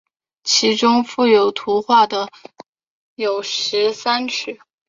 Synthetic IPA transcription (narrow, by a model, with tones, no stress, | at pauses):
t͡ɕʰi˧˥ʈ͡ʂʊ˥ŋfu˥˩jo˨˩ʊt̪ʰu˧˥xwa˥˩d̪ə˩ | jo˨˩ʊʂɻ̩˧˥sa˥nʈ͡ʂʰɻ̩˥˩